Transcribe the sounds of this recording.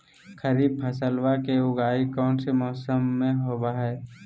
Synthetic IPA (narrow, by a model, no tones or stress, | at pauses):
kʰəɾiːb̚pʰəsəlwakeʊɡaːikɔːnsemɔːsəmːẽɦoːbaɦɛː